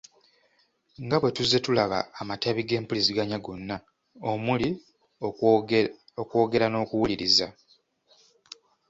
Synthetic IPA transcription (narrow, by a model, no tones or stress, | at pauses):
ŋɡaβwe̞tuze̞tulaβa̰ːmataβiɡe̞ːmpuliziɡaɲaɡo̞nːa | omuli | okwo̞ːɡe̞ɾano̞ːkuwuliɾiza